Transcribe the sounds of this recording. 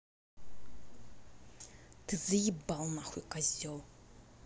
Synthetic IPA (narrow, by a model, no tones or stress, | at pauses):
t̪ʰɨzɨjibalˠnaxʷukʼazʲɔlˠ